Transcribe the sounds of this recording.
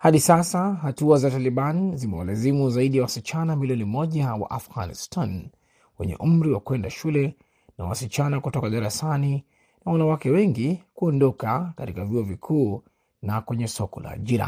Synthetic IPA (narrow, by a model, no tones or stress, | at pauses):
haɗisasaɦatuazataliɓanzimɛ̰wa̰lazimuzaiɗijawasit͡ʃanamiliɔnimɔʄawa̰ʔafɣa̰nḭstan | wɛ̰ɲɛ̰ʔum̩ɾiwakwɛndaʃulɛ | na̰wasit͡ʃanakutɔkaɗaɾasani | nawanawakɛwɛŋɡikuɔndɔkakatikaviɔvikʰuː | nakwɛɲɛsɔkɔla̰ːʄiɾa̰